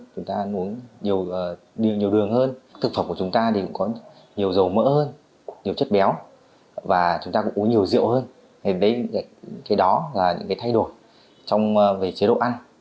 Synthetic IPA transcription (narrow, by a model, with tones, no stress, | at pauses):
t͡ɕʊ˨˦ŋ͡mt̪aː˧mu˨˦ənɲi˨˩əwəː˨˩ | ɗi˨˩əwɲi˨˩əwɗɨ˨˩əŋhəː˧nt̪ɨ˨˩k̚fə˧˩mku˧˩ə˩t͡ɕʊ˨˦ŋ͡mt̪aː˧t̪i˨˩kʊ̰˧˥ŋ͡mkɔ˨˦ | ɲi˨˩əwzə˨˩wmə̰ː˧˥həː˧n | ɲi˨˩əwt͡ɕə˦˥t̚ɓɛ˨˦w | vaː˨˩t͡ɕʊ˨˦ŋ͡mt̪aː˧kʊ̰˧˥ŋ͡mʔu˨˦nɲi˨˩əwzḭ˧˨əwhəː˧n | he˨˧˩ɗə˨˦ja̰˧˨kaː˨˦jɗɔ˨˦laː˨˩ɲɨ̰˧˥ŋkaː˨˦t̪ʰa˧jɗo˨˩j | t͡ɕɔ˧wŋ͡mve˨˩t͡ɕi˨˦ɗo̰˧˨ʔa˧n